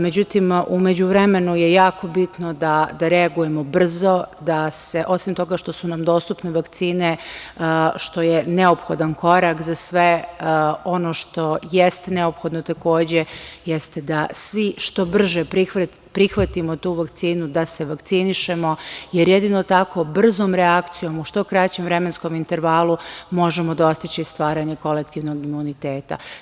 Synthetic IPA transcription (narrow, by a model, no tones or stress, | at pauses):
me̞d͡ʑut̪imumed͡ʑuʋɾeme̞nujejaːko̞bit̪nod̪ad̪aɾɛaɡuje̞mo̞br̩zo̞d̪aseʔo̞simt̪o̞ɡaʃt̪o̞sunamd̪o̞ːst̪upneʋakt̪siːne | ʃt̪o̞jene̞opxo̞d̪anko̞ɾakzasʋe | o̞noʃt̪o̞jest̪ene̞o̞pxo̞d̪not̪ako̞ːd͡ʑejest̪ed̪asʋiʃt̪o̞br̩ʒepɾi | pɾixʋat̪imo̞t̪uːʋakt̪siːnud̪ase̞ʋakt̪siniʃemo̞jeɾjed̪ino̞t̪ako̞br̩zo̞mɾeakt̪sijo̞muʃt̪o̞kɾat͡ɕemvɾemensko̞mint̪eɾʋaːlˠumo̞ʒemo̞d̪o̞st̪it͡ɕist̪ʋaːɾaɲeko̞lek̚t̪iʋno̞ɡimunit̪eːt̪a̰